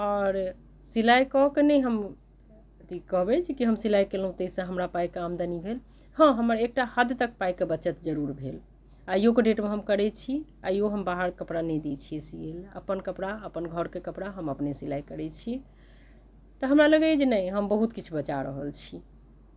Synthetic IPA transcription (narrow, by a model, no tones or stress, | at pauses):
ɔɾ | silajkɔkenɛjɦəm | t̪ikəɦbɛt͡ʃʰkiɦəmsilajkelɦũt̪əisə̃ɦəmɾapajkeamd̪anibʱel | hə̃ɦəməɾek̚ʈahad̪t̪ək̚pajkebət͡ʃət̪d͡ʒəɾuɾbʱel | ajokeɖeʈmẽɦəmkəɾɛt͡ʃʰi | ajoɦəmbaɦəɾkəpɽanɛd̪it͡ʃʰiesielə̰pənkəpɽaəpənɡʱəɾkekəpɽaɦəməpnesilajkəɾɛt͡ʃʰi | t̪ɔɦəmɾaləɡɛd͡ʒenəɦəmbəɦut̪kit͡ʃʰubət͡ʃaɾəɦəlt͡ʃʰi